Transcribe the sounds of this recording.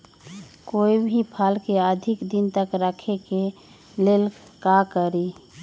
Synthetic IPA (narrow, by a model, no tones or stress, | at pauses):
koːibʱipʰalkeəd̪ʱɪkd̪int̪əkɾəkʰeke | leːlkakəɾi